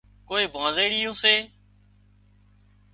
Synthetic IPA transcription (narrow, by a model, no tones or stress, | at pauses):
koːẽːbʱãːzeːɽijõːseː